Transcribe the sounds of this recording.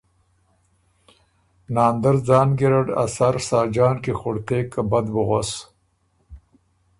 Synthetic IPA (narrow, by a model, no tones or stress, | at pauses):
nɑːnd̪aɾd͡zɑːnɡiɾaɖa̰saɾsɑːd͡ʒɑːnkixʊɽt̪eːkːabad̪bʊɣos